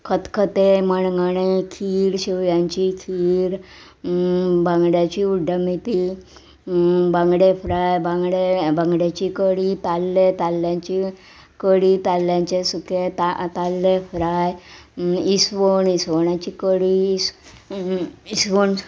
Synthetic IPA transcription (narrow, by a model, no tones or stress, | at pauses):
kʰət̪kʰət̪eməɳɡəɳekʰiːɽɕiʋjãɲt͡ɕikʰiːɾ | bãŋɡɽjat͡ɕiuɖʱəmit̪i | bãŋɡɽefɾajbãŋɡɽebãŋɡɽjat͡ɕikəɽit̪alːet̪alːjãɲt͡ɕi | kəɽit̪alːjãɲt͡ɕesuket̪at̪alːefɾaj | isʋoɳisʋəɳat͡ɕikəɽis | isʋəɳ